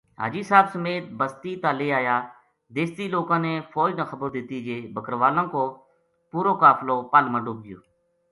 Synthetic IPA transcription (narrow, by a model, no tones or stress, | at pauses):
ɦa̰ːd͡ʒiːsaːbsəmeːt̪̚bəst̪iːt̪aːleːaːjaː | d̪eːst̪iːloːkãːneːpʰɔːd͡ʒnãːxəbəɾd̪ɪt̪iːd͡ʒeːbəkəɾʋaːlãːkoː | puːɾoːkaːpʰloːpaːlmãːɖoːp̚ɡɪjo̰ː